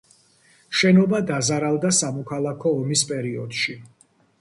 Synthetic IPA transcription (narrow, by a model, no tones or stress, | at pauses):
ʃɛnɔbad̪azaɾalˠd̪asamɔkʰalˠakʰɔːmispʼɛɾiɔd̪̥ʃi